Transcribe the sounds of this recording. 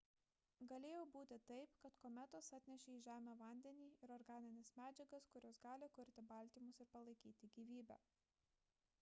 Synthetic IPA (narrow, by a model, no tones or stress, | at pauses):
ɡɐlʲeːjɛːbuːt̪ʲɪt̪ɐɪpkɐt̪komʲɛt̪osɐt̪ʲnʲɛʃʲeːiːʒʲæːmʲoːʋɐnʲd̪ʲɛnʲiːɪɾɔɾɡɑːnʲɪnʲɛsmʲæːd͡ʒʲɛɡɐskʊɾʲoːsɡɑːlʲɪkʊɾʲt̪ʲɪbɐlʲt̪ʲiːmʊsɪɾpɐlˠɐɪkʲiːt̪ʲɪɡʲiːʋʲiːbʲæ̰ː